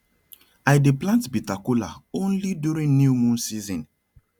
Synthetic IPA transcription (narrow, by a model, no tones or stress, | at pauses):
aɪdeplãntbitakula̰õnlidjuɾĩŋnjiumũnsizɔ̃n